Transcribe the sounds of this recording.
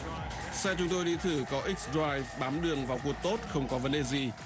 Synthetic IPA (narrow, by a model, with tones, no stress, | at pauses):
sɛ˧t͡ɕʊ˨˦ŋ͡mt̪o˧jɗi˧t̪ʰɨ˧˩kɔ˨˦ʔi˦˥k̚sdɾaː˧jvɓaː˨˦mɗɨ˨˩əŋvaː˨˩wku˧˩ək̚t̪o˦˥t̚xə˧wŋ͡mkɔ˨˦və˨˦nɗe˨˩zi˨˩